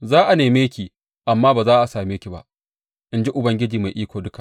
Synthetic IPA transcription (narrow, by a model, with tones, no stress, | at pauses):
zaː˦ʔa˨neː˨meː˦kʲiː˨ | ʔa˨mːaː˦baː˨zaː˦ʔa˨saː˨meː˦kʲi˨ba̰˦ʔ | ʔɪ˦nd͡ʒi˦ʔʊ˨bɐ˦ŋɡʲɪ˦d͡ʒiː˨ma˨jʔiː˦kʷoː˨dʊ˦ka˨ʔ